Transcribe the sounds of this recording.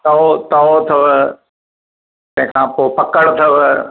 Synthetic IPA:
t̪ɐot̪ɐot̪ʰɐʋ | t̪ɐ̃ɦɪ̃kʰãːpoːpɐkəɽt̪ʰɐʋ

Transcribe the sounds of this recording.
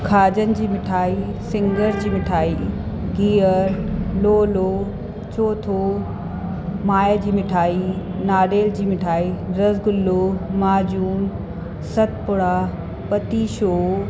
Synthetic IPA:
kʰaːd͡ʑənɪ̆d͡ʑiːmɪʈʰaːi | sɪ̃ŋɡəɾd͡ʑiːmɪʈʰaːi | ɡiːəɾloːloː | t͡ɕoːt̪ʰoː | maːjəd͡ʑiːmɪʈʰaːinaːɖeːld͡ʑiːmɪʈʰaːiɾɐzɡʊlːoːmaːd͡ʑuːn | sɐt̪ʰpʊɽaː | pɐt̪iʃoː

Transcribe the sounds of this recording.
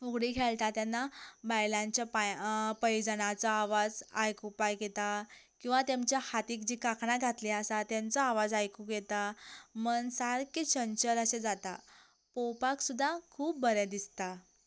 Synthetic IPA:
uɡɽikʰeɭt̪at̪janːabajlãɲt͡ɕjapapəjd͡zənat͡saaʋad͡za̰jkupajɡet̪akĩw̃ʋat̪jamt͡ɕjahat̪iːkd͡ʑikakʰɳaɡʱat̪liasat̪jant͡sɔaʋad͡zajkũɡet̪amənsaɾkit͡ɕənt͡ɕəɾəsed͡zat̪a | powpaksud̪ʱːakʰuːpbəɾjad̪ist̪a

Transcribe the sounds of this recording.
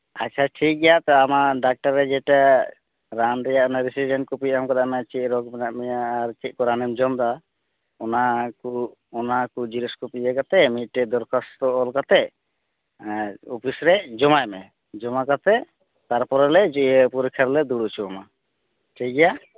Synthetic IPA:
a̰t͡ʃʰaʈʰik̚ɡɛjat̪ɛamaɖak̚ʈaɾːɛd͡ʒɛʈa | ɾanɾɛjaɔnaɾisid͡ʒɛnʈkɔpiamkɔd̪amɛat͡ʃiʔ̚ɾɔkbɛnaʔmɛjaːɾt͡ʃʰiʔ̚kɔɾanɛmd͡ʒɔmd̪a | ɔnaku | ɔnakud͡ʒiɾiskɔpiɛkat̪ɛmiʈːɛd̪ɔɾkʰast̪ɔɔlkat̪ɛ | upʰisɾɛd͡ʒɔmajmɛ | d͡ʒɔmakat̪ɛ | t̪aɾpɔɾɛlɛd͡ʒpuɾkʰaɾlɛd̪uɽut͡ʃʰuama | ʈʰik̚ɡɛja

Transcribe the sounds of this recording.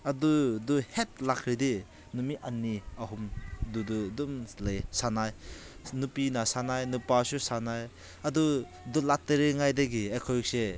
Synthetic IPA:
aduduhet̚lakʰɾidi | numiʔanːiaɦumdududumlejsanajnupinasanajnupasusanaj | adu | dɔlateɾeŋajdaɡiekʰɔjɔk̚se

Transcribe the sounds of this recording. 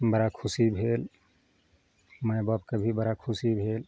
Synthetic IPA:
bəɾakʰusibʱel | məjbabkəbʱibəɾakʰusibʱel

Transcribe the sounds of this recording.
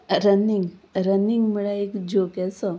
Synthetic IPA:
ɾəniŋɡɾəniŋɡməɭaekd͡ʑokɛsə

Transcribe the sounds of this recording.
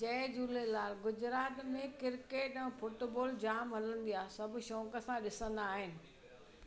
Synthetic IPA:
t͡ɕeːd͡ʑuːlelaːlɡʊd͡ʑɾaːt̪mẽkɪɾkeːʈɛ̃ːfʊʈboːld͡ʑaːmɦɐlə̃nd̪ijaːsɐbʱʊ̆ʃɔ̃ːkə̆sãɗɪsə̃nd̪aːɦɪnɪ̆

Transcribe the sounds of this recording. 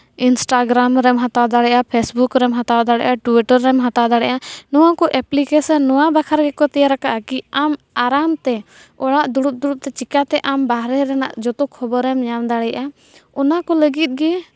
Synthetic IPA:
insʈaɡɾamɾɛmɦat̪ad̪aɽɛʔapʰɛsbukɾɛmɦat̪ad̪aɽɛ̰ʔaʈiʈəɾːɛmɦat̪ad̪aɽɛʔanɔwakɔʔɛplikɛsənːɔwabakʰaɾɡɛkɔt̪ɛjaɾakaʔakiam | aɾamt̪ɛ | ɔɽaʔd̪uɽup̚d̪uɽup̚t̪ɛt͡ʃikat̪ɛʔambaɦɾɛɾɛna̰ʔd͡ʒɔt̪ɔkʰːɔbɔɾɛmɲamd̪aɽɛjʔa | ɔnakɔləɡit̪̚ˀɡɛ

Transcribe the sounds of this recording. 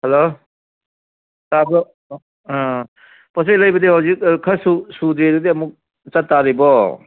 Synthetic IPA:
helo | sabɔ̃ | pɔs̬ejlɐjbɐdihawzik̚kʰɐsusudeɾudiɐmuk̚ | t͡ʃɐtːaɾibɔ

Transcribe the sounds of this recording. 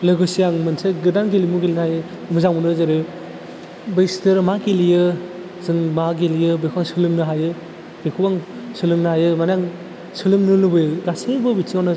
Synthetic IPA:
lɯɡɯsijaŋmɯnseɡɯdanɡelimuɡelinajɯ | mɯzaŋmunɯzaɾɯ | bɯjstʰɯɾmaɡilijɯ | zɯŋmaɡelijɯbejkʰbaŋsɯlɯŋnɯɦajɯ | bekʰubaŋsɯlɯŋnɯhajɯmanaŋ | sɯlɯŋnɯlɯbɯjɯɡasibɯbisianɯ

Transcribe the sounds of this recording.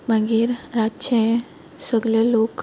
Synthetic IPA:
m̤ãŋɡiːɾɾat͡ʃẽ | səɡlalok

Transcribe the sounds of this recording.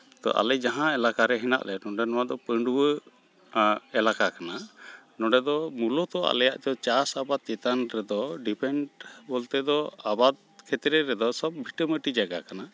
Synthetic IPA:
t̪ɔ̰ʔa̰lɛd͡ʒaɦãɛlakaɾɛɦɛna̰ʔlɛnɔɖɛnɔwad̪ɔpəɳɖuwə | ɛlakakana | nɔ̃ɖɛd̪ɔmulɔt̪ɔa̰lɛjaʔd̪ɔt͡ʃasabad̪̚t͡ʃɛt̪anɾɛd̪ɔɖipʰɛɳʈbɔlt̪ɛd̪ɔabad̪̚kʰɛt̪ɾɛɾɛd̪ɔsɔb̚bʱiʈəməʈid͡ʒaɡakana

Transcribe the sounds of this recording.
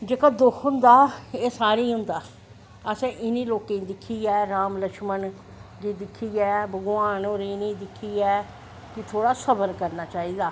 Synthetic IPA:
d͡ʒeːkaːd̪ʊkʰʊnd̪aːeːsaːɾiːɦʊ̃nd̪aː | əsɛ̃ːʔɪnĩːloːkẽd̪ɪkʰːiːɛːɾaːmləʃmən | d͡ʒiːd̪ɪkʰːiːɛːbəɡʊaːnoːɾinĩːd̪ɪkʰːiːɛː | kɪt̪ʰoːɽaːsəbəɾkəɾnaːt͡ʃaːiːd̪aː

